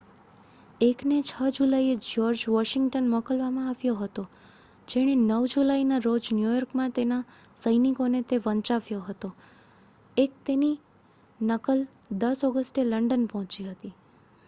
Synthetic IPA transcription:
eknet͡ʃʰəd͡ʒulaied͡ʒɔɾd͡ʒʋɔʃɪŋɡʈənmɔkəlʋamãaʋjoɦət̪o | d͡ʒeɽ̃enəʋd͡ʒulainaɾod͡ʒnjujɔɾkmãt̪ena | səjnikonet̪eʋə̃ɲt͡ʃaʋjoɦət̪o | ek̚t̪eni | nəkəl | d̪əsɔɡəsʈeləɳɖənpɔɦɔ̃t͡ʃiɦət̪i

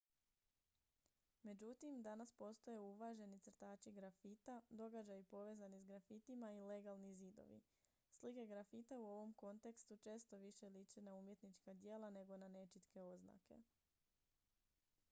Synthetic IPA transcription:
me̞d͡ʑut̪imd̪anaspo̞st̪o̞je̞uʋaʒe̞nit̪sr̩t̪aːt͡ʃiɡɾafit̪ad̪o̞ɡad͡ʑajupo̞ʋe̞ːzanisɡɾafit̪imaile̞ɡalˠniziːd̪o̞̰ʋḭ | slike̞ɡɾafit̪auo̞ʋo̞mko̞nt̪e̞kst̪ut͡ʃe̞ːst̪o̞ʋiʃelit͡ʃenauːmje̞t̪nit͡ʃkad̪je̞ːlˠane̞ɡo̞nane̞t͡ʃit̪ke̞o̞zna̰ke̞̰

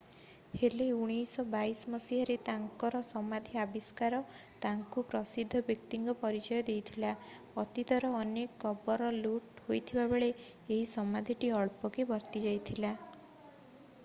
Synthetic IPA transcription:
heleuɽ̃ijsɔbajsmɔsiɦaɾet̪aŋkɔɾɔsɔmad̪ʱiabiskaɾɔt̪aŋkupɾɔsid̪ʱːɔbjɔkt̪iŋɡɔpɔɾit͡ʃɔjɔd̪ejt̪ʰilaɔt̪it̪ɔɾɔːnekːɔbɔɾɔluʈhojt̪ʰibabeɭe | eɦisɔmad̪ʱiʈiɔɭpɔkebʱɔɾt̪id͡ʒajt̪ʰila

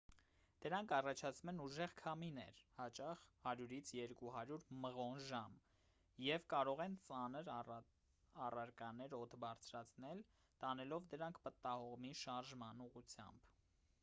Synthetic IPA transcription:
d̪̥əɾɑŋkʰɑrɑt͡ʃʰɑt͡sʰumɛnuʒɛʁkʰɑminɛ̰ɾhɑt͡ʃɑχhɑɾjuɾit͡sʰjɛɾkuɦɑɾjuɾməʁɔnʒɑm | jɛvkɑɾɔʁɛnt͡sɑnəɾ | ɑrɑɾkɑnɛɾɔt̪ʰbɑɾt͡sʰɾɑt͡sʰnɛl | t̪ɑnɛlɔvd̪əɾɑŋkʰpət̪ɑhɔʁmiʃɑɾʒmɑnuʁut͡sʰjɑ̰mb̥

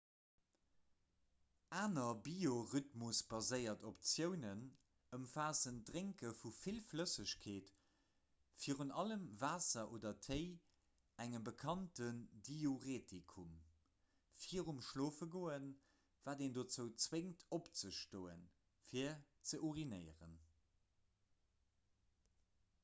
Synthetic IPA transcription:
aːnɐbioʁytmusb̥ɑzəɪɐtʰopt͡sjəʊnən | əmfaːzəndʁeŋkəfufilfləsəɕkʰeːt | fiːəʁunɑləmvaːsɐʔoːdɐtʰəɪ | æŋəmbəkʰɑntəndioʁeːtikʰum | fiəʁumʃloːfəɡoːən | v̥aːdendot͡səʊt͡sweŋtʰopt͡səʃtoːə̰n | fiːɐ | t͡səʔuʁinəɪəʁə̰n

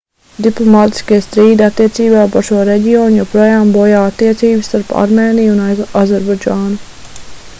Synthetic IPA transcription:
d̪iplˠɔmaːt̪i̥skeːst̪ɾiːd̪at̪ːiɛsiːbaːpaɾʃuɔɾɛɟioːɲjopɾojaːmbojaːat̪ːiːɛt̪siːbst̪aɾpa̰ɾmeːniːjunazaɾbad͡ʒaːnu

